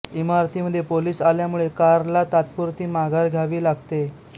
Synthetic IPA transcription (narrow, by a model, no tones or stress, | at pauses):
imaɾt̪ʰiːməd̪ʱːjepoliːsaljamuɭekaɾlat̪at̪̚puɾt̪iːmaɡʱaɾɡʱjaʋiːlaɡ̚t̪e